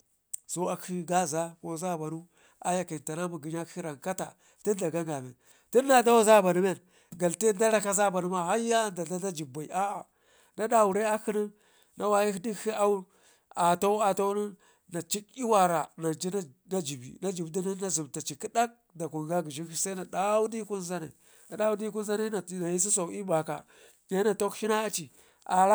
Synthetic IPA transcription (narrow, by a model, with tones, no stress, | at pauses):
so˦a˨ki˦ɡa˦za˦ko˦za˦˨ba˨nu˦ | a̰˦ja˨ki˨nta˨na˦ma˨ɡi˨ɲ˦a˦ki˦ɾa˨ŋka˦ta˨ | ti˦nda˨ɡa˦ŋɡa˨me˨n | ti˦nːa˨da˦wa˦za˦ba˨nu˦me˦n | ɡa˨lti˦nda˦ɾa˦ka˦za˦˨ba˨nu˦ma˦ha˦ja˦nda˨da˦da˦d͡ʒi˨ba˨i˨ʔa˦a˨ | na˦da˨wu˨ɾe˦a˦ki˦ni˦ | na˦wa˦ji˦i˦di˦i˦a˦u˦ | a˨to˦a˨to˦ni˦ | na˨t͡ʃi˦ki˦wa˨ɾa˨na˨d͡ʒi˦n˦na˦d͡ʒi˨bḭ˨na˦d͡ʒi˨bdi˦ni˦na˦zi˨mta˨t͡ʃi˨ki˦da˦k̚da˨ku˨ŋ˨ɡa˦ɡi˨ʒi˦ni˦sa˦i˦na˨da˦wu˦di˦ku˦n˦za˦na̰˨ | na˨da˦wu˦di˦ku˦n˦za˦na˦a˨na˨ji˦s̬i˦s̬o˨˦i˦ba˨ka̰˨ | ja˦na˨to˦kʃi˦na˦a˦t͡ʃi˨ | a̰˨ɾa˦